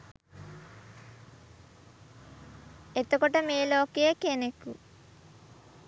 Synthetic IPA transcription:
et̪okoʈɐmeːloːkejekːenekːu

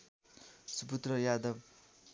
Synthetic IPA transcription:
suput̪rʌjad̪ʌb̚

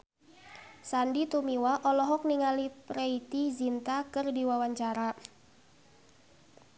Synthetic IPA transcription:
sandit̪umiwaʔɔlɔɦɔk̚niŋalipɾeit̪izint̪akɨrdiwawaɲt͡ʃaɾa

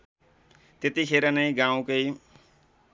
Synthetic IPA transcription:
t̪et̪ikʰeɾʌnʌj̃ɡãw̃kʌj

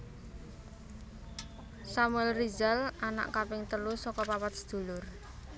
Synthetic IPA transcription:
samuɛlrizalana̰ʔkapɪŋt̪əlusɔkɔpapat̪̚səd̪̥ṳlʊr

